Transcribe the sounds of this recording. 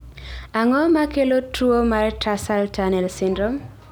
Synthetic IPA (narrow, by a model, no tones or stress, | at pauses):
aŋɔmakelotɾuomartʰasaltanɛlsɪndɾɔm